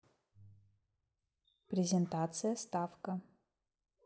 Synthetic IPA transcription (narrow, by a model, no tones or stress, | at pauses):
pɾʲɪzʲɪnt̪at̪sɨjəst̪afkə